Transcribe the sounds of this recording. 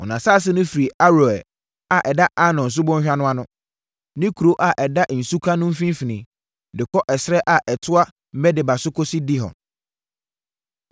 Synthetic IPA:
ɔ̰˨nã˨sa˦˨s̬ɪ˦nʊ̃˦fi˨i˨a˦ɾo˨ɛ˨ | a˨ʔɛ˨da˦ʔa˦nɔ̃˨n̩˨s̬ʊ˦bɔ̃˦ɲ˦ɕᶣa˦nʊ̃˦a˦nʊ̃˦ | nɪ̃˦kʰu˨ɾo˦ʔa˨ʔɛ˨da˦˨n̩˨su˦kʰa˦nʊ̃˦m̩˦fĩ˦m˦fi˨nĩ˨ | dɪ˨kʰɔ˦ʔɛ˨sɪ˦ɾɛ˦ʔa˨ʔɛ˨tʰʊ˦a˦ | mɛ˦dɪ˨ba˨sʊ˦kʰɔ˦si˦di˦ɦɔ̰̃˨n

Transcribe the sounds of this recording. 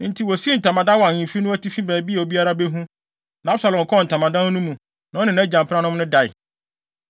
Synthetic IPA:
n̩˦tʰi˨wɔ˨si˦n̩˨tʰã˨mã˨dã˦wĩ˨fi˦nʊ̃˦æ˦tʰi˦fĩ˦bɛ̃˨bi˦a˨o˨bi˦a˦ɾa˦be˦ɦũ˦ | nã˨˦a˦bsa˨lɔ̃˨m˨kʰɔ˦˨n̩˨tʰa˨mã˨dã˦n˦nũ˦mũ˨ | nã˨ɔ˦nɪ̃˨nã˨˦d͡ʑã˨m˨pʰã˦nʊ̃˦mnʊ̃˦da˨ɪ̰˨

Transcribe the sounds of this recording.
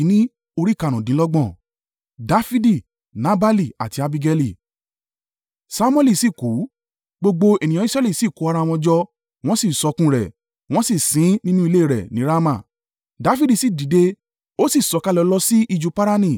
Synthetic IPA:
i˨˦nĩ˦ | o˧ɾi˦˨ka˧˨ɾ̃ũ˨dĩ˨˦lɔ˦ɡ͡bɔ̃˦˨ | da˨˧fi˦di˦˨ | nã˨˦ba˦li˦˨a̰˨ti˧a˧bi˧ɡɛ˧li˦˨ | sa˦mwɛ˦li˦˨si˦˨ku˨˦ | ɡ͡bo˧ɡ͡bo˧e˨nĩ˨jɔ̃˨˦i˦sɾɛ˦li˦˨si˦˨ku˨˦a˧ɾa˧˨w̃ɔ̃˧d͡ʒɔ˧ | w̃ɔ̃˦si˦˨sɔ˧kũ˦ɾɛ˨ | w̃ɔ̃˦si˦˨sĩ˨˦nĩ˦nũ˦i˧le˦i˦˨ɾɛ̰˨nĩ˨˦ɾa˦mã˦˨ | da˨˦fi˦di˦˨si˨di˨de˧ | o˦si˦˨sɔ˨˧ka˧lɛ˧˦lɔ˧si˦ʔi˧d͡ʒu˧˦pa˦ɾa˦nĩ˦˨

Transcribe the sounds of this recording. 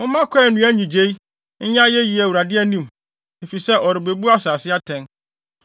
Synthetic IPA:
ʊ̃˦mã˦kʷʰɛ˦˨nũ˨˦æ˦ɲĩ˨d͡ʑe˦i˦ | ɲ̩˦ɲã˦jɛ˦ɥi˨ɛ˨wu˨ɾa˨dɪ˦ɛ˦nĩ˦˨m | e˨fi˨sɛ˦ʔɔ˨ɾɪ˨be˨bu˦a˦saː˨sɪ˦a˦tʰɛ̃˦n

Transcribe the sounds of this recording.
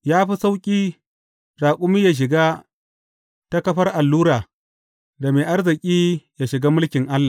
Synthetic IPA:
jaː˦ɸi˦sa˦wkʲʼiː˦ | ɾaː˨kʷʼʊ˦mi˦jaː˨ʃ̬ɪ˨ɡaː˦ | ta˦kɐ˦ɸɐ˦rʔa˨lːuː˦ɽaː˨ | da˨meː˨ʔa˦rzɪ˨kʲʼiː˦ja˨ʃɪ˨ɡa˦mʊ˦lkʲɪ˨ŋʔa˦lːa˨

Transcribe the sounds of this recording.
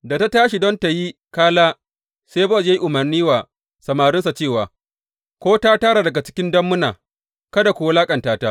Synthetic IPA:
da˨ta˦taː˦ʃi˨dɔ˦nta˨ji˦kaː˦laː˦ | se˦bɔ˦ja˦ji˦ʔʊ˨mɐ˨rniː˦waː˨ | sɐ˨maː˨ɾʊ˦nsa˨t͡ʃeː˦˨waː˨ | kʷoː˦taː˦taː˦ɽa˨dɐ˨ɡa˨t͡ʃɪ̥˦kʲɪ˦ndɐ˦mːʊ˦naː˨ | kɐ˦da˨kʷʊ˨wa˦laː˦kʼɐ˨ntaː˦ta˦

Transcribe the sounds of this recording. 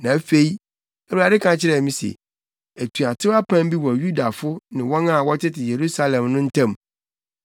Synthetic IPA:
nã˨æ˦fe˦i˦ | æ˨wu˨ɾa˨dɪ˦kʰã˨t͡ɕʰɪ˦ɾɛ˨mĩ˦sɛ̰˨ | æ˨tʰu˨a˨tʰɪ˦a˦pʰã˦m˦bi˦wɔ˨ju˦da˨fʊ˦nɪ̃˨wɔ̃˦nã˦˨wɔ˦tʰɪ˦tɪ˨je˨ɾu˦sa˦lɛ̃˨mnʊ̃˦n̩˦tʰã˦˨m

